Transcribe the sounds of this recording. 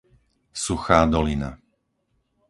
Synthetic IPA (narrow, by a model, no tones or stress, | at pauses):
suxaːd̪ɔlina̰